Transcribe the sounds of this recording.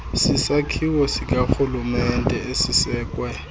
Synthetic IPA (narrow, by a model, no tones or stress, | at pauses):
sisakʰiwɔsikʼaxulumɛntʼɛʔesisɛːkʼwɛ